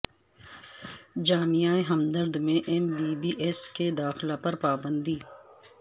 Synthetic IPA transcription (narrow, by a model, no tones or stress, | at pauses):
d͡ʒaːmijaːeɦəmd̪əɾd̪mẽʔɛmbiːbiːʔesked̪aːxlapɐɾpaːbə̃nd̪iː